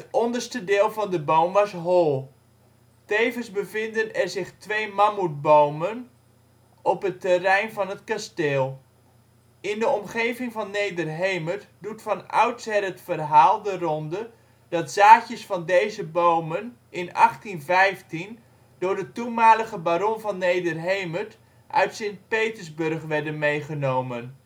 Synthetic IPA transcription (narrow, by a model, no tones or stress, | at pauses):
ətɔndərstədɪːlˠvɑndəbowmʋɑsɦɔlˠ | tejvənzbəvɪndənɛrzɪχtʋejmamut̚bowmən | ɔpɦətərɛjnvɑnɦətkasteːlˠ | ɪndəɔmχejvɪŋvɑnːejdərɦejmərtdutfɑnœ̰ɥtsɛrətfərɦaːlˠdərɔndə | d̥ɑtz̥aːcjəsfɑndejzəbowmən | ʔɪnɑ̰χtinvɛjftin | dʊːɹdətunmaːləχəbaɾɔnvɑnːejdərɦejmət | ʔœ̰ɥtsɪnt̚pejtəzbɵrχʋɛɹdənmejχənowmən